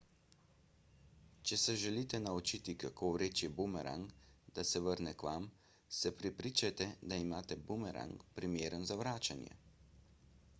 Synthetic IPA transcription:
t͡ʃɛsɛʒɛliːt̪ɛnaut͡ʃit̪ikakoːwɾeːt͡ʃjɛbumɛɾʔa̰ŋkd̪asɛʋəɾnɛkʋam | sɛpɾɛpɾiːt͡ʃat̪ɛd̪aimaːt̪ɛbumɛɾa̰ŋkpɾimjeːɾənzaʋɾaːt͡ʃanjɛ̰

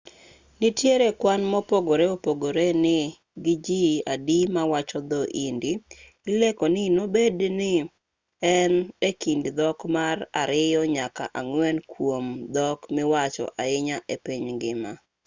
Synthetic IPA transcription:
nɪitjeɾekwanmɔpoɡoɾeopoɡoɾenɪ | ɡɪd͡ʒiadimawat͡ʃɔd̪ɔʔindi | ilekɔnɪnobednɪ | ɛnekindd̪ɔkmara̰ɾɪjɔɲaka̰ʔaŋwɛnkwomd̪ɔkmɪwat͡ʃɔ̰ʔaɪɲaʔepiɲɡɪma

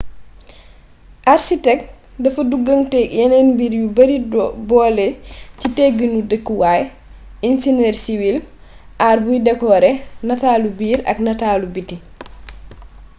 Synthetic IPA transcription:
ʔaɾsitɛk̚ | dɐfɐduɡəŋtɛjɛnɛnbiɾjubɐɾibɔːlɛciteɡənudəkːiwaːj | insinɛːɾsiwil | ʔaɾbujdɛkɔːɾɛnataːlubiːɾɐ̰knɐtaːlubitːi

